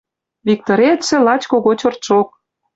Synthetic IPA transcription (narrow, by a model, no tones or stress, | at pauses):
vʲik̚t̪oɾʲet̪sĕlɑt͡ɕkoɣot͡ɕort̪ʃok̚